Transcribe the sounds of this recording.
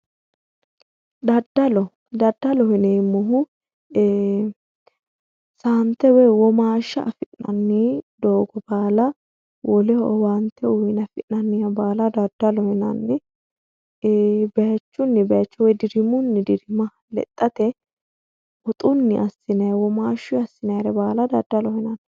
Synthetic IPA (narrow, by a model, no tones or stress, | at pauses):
d̪ɐd̪ːɐlɔ | d̪ɐd̪ːɐlɔhɪneːmːɔɦʊ | saːnt̪ɛwɛjwɔmaːʃːɐʔɐfɪʔnɐ̰nːiːd̪oːɡɔbaːlɐ | wɔlɛɔwant̪ʰːɛʊjɪnɐfɪʔnɐnːɪjɐbaːlɐd̪ɐd̪ːɐlɔhɪnɐ̰nːɪ | bet͡ʃːʊnːɪbeːt͡ʃːɔwɛjd̪ɪɾɪmʊnːɪd̪ɪɾɪmɐ | lɛ̰t̪ʼːɐt̪ɛ | ɔt̪ʼʊnːɪʔɐsɪnɐjwɔmaːʃʊɐsɪnɐjɾɛbaːlɐd̪ɐd̪ːɐlɔhɪnɐn